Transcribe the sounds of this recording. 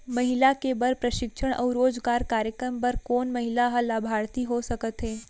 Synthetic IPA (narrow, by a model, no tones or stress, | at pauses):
mɐɦɪlakebɐɾpɾɐʃɪkʃəɽ̃ʔɔ̰ːɾoːd͡ʒɡaːɾkaːɾjəkɾəmpɐɾkɔːnmɐɦɪlaɦalaːbʱaːɾt̪iɦosɐkət̪ɦɛː